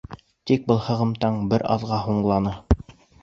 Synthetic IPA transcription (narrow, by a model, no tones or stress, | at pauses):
t̪ik̚bɤlˠhɤ̆ʁɤ̆mt̪ɑɴbɘɾɑ̰ðʁɑɦuɴlˠɑnɤ